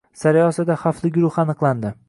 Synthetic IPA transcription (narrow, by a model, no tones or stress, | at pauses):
saɾjɒsad̪aχɑflˠɪɡʲʊɾʊχɑnɨqlˠand̪ɪ